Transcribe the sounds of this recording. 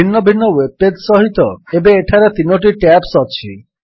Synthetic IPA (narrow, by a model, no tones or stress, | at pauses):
inːɔbʱinːɔweb̚ped̪sɔɦit̪ɔebeeʈʰaɾet̪inoʈ̬iʈɛpsɔt͡ɕʰḭ